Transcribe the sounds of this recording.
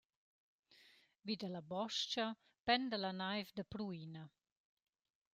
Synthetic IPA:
vid̪əlabɔʃt͡ʃɐ | pɛnd̪əlanajvd̪əpɾuina

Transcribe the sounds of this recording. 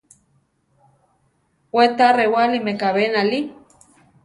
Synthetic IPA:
wet̪arewalimekaβenali

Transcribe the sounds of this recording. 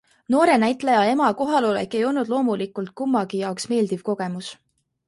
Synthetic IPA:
no̞ːɾe̞næjt̪ˑlejɑe̞mɑko̞ɦɑlo̞lḛkːˑe̞jo̞lnud̪lo̞ːmulikːˑult̪̚kumːɑɡ̥ijɑoksme̞ːld̪̥iv̥ko̞ɡ̥e̞mus

